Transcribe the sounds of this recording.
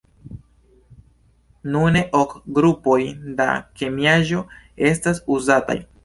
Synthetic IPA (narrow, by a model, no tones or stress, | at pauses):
nune̞ʔokɡɾupo̞jda̰ke̞miaʒo̞ | e̞s̬tasuzata̰j